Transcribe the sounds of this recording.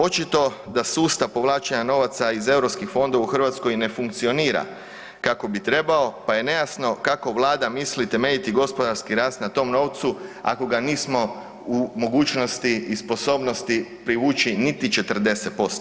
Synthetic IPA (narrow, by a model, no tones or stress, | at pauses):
o̞t͡ʃit̪o̞d̪asuːst̪apo̞ʋlˠaːt͡ʃeɲano̞ʋat̪saize̞uɾopskixfo̞nd̪oʋauxr̩ʋat̪sko̞jne̞fuŋkt̪sio̞niːɾa̰ | kako̞bit̪ɾe̞bao̞paje̞nejasno̞kako̞ʋlˠaːd̪amislit̪e̞me̞ʎit̪iɡo̞spod̪aɾskiɾaːst̪nat̪o̞mno̞ːʋt̪sua̰ko̞ɡaniːsmo̞ | umo̞ɡuːt͡ʃno̞st̪iispo̞so̞bno̞st̪ipɾiʋuːt͡ʃinit̪it͡ʃe̞t̪ər̩d̪e̞set̪̚po̞st̪o